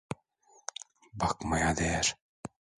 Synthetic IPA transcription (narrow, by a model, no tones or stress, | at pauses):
bɑkmɑjad̪ɛɾ